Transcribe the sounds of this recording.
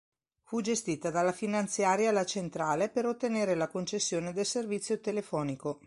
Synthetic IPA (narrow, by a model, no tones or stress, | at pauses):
fud͡ʒest̪iːt̪ad̪alːafinant̪sjaːɾjalːat͡ʃent̪ɾaːlepeɾot̪ːeneːɾelakont͡ʃesːjoːned̪elservit̪sːjot̪elefɔːniko